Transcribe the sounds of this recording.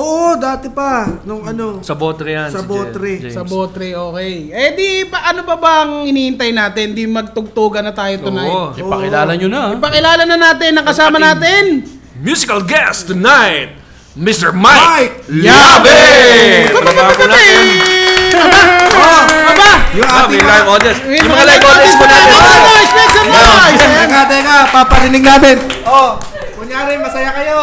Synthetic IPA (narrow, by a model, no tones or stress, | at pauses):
ʔoːʔod̪aːt̪ɛpɐnʊŋɐnosɐboːt̪ɾɛjansɐboːt̪ɾɛsɐboːt̪ɾɛʔoːkɛjʔɛd̪ipɐʔɐnopɐbɐʔɐŋhɪniːhɪnt̪ɐjnaːt̪ɪnd̪imɐɡ̚t̪ʊɡ̚t̪uːɡɐnːɐt̪aːjot̪ʊnajɪpɐkɪlaːlɐɲonɐɪpɐkɪlaːlɐnɐnaːt̪ɪnːɐŋkɐsaːmɐnaːt̪ɪn | mjuːsɪkɐlɡɛst̪ːʊnajt̪̚ | mɪst̪ɛɹmajk̚labɛ | kbɐbaːɐk̪ɐnaːɛt̪ɛn | ɐbaoɐbajʊŋʔaːɪlajʔoːd̪jɐns | jʊmɐŋalajʔoɐsmʊnat̪oɐoɪsnɛt̪sɐnoɐaːt̪ɪŋapapɐɾɪnɪɡ̚naːt̪ɪnʔo | kʊɲjaːɾɪmɐsɐjakɐjo